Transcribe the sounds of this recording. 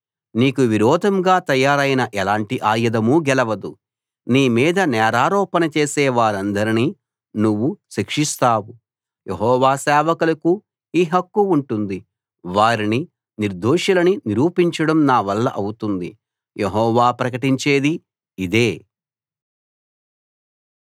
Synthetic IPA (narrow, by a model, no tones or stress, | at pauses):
niːkuʋiɾɔːd̪ʱɐmɡaːt̪ɐjaːɾɐjinɐʔɛlaːɳʈiʔaːjɐd̪ɐmuɡɛlɐʋɐd̪u | niːmiːd̪ɐnɛːɾaːɾɔːpɐnɐt͡ʃeːsɛːʋaːɾɐnd̪ɐɾini | nuʋːuʃikʂist̪aːwu | jʔeɦɔːʋaːsɛːʋɐkulɐku | iːɦɐkːuuɳʈund̪i | ʋaːɾini | niɾd̪ʱoːʂɐlɐniniɾuːpiɲt͡ʃɐɽɐmnaːʋɐlːɐ̰ʔɐwut̪und̪ḭ | jeɦɔːʋaːpɾɐkɐʈiɲt͡ʃe̞ːd̪i | id̪eː